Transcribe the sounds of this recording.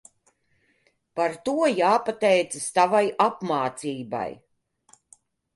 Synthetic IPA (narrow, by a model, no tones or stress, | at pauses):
paɾt̪uɔjaːpat̪ɛjt̪sɨst̪avajapmaːt̪siːba̰j